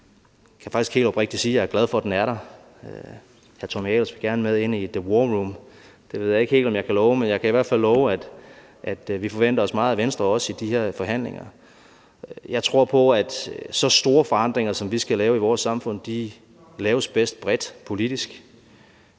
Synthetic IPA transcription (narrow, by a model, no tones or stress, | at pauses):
kʰæfɑ̈ɡ̥isɡ̥he̝̰ːldɒb̥ʁeɡ̥̚d̥isiːjɑ̈æɐɡlæð̞ˠfɒ̽d̥enæɐɾɑ | hæɐt͡sʰɒmɛlsʋe̝ɡ̥æɐnəmeðˠe̝n̰id̥əwɒːʁum | d̥e̝ʋe̝ð̰ˠjɑe̝ɡ̥he̝̰ːl̥ɒ̽mjɑ̈ɪkʰælɒʊmenjɑ̈ɪkʰæiʋæɐ̥fælːɒːʊæd̥ | ʔæd̥ʋifɒ̽ʋen̰d̥ɐɒ̽smɑ̈ːð̩ˠæʋensd̥ʁɐɒ̽sid̥iheɐ̰fɒ̽ɦæn̰le̝ŋɐ | jɑ̈ɪt͡sʰʁo̝ɐ̰pʰɒ̽æd̥sɒ̽sd̥o̝ːɐfɒ̽ɑ̈n̰d̥ʁeŋɐsɒ̽mʋisɡ̥ælɛːʊiʋɒːsːɑ̈mfɔ̽n̰d̥i | lɛːʊəsb̥esd̥̚b̥ʁɛd̥pʰo̝lid̥isɡ̥